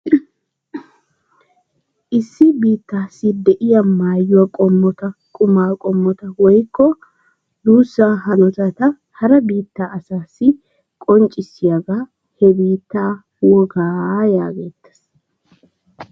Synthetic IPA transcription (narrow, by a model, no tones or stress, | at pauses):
ʔɪsːɪbiːt̪ːaːsːɪd̪ɛʔɪjɐmaːjːʊwɐkʼɔmːɔt̪ɐkʼʊmaːkʼɔmːɔt̪ɐwɔjkːɔ | d̪uːsːaːɦɐnɔt̪ɐt̪ɐ | hɐɾɐbiːt̪ːaːʔɐsaːsːɪ | kʼɔnt͡ʃʼɪsːɪjɐɡaː | hɛbiːt̪ːaː | wɔɡaːja̰ːɡeːt̪ːɐ̥s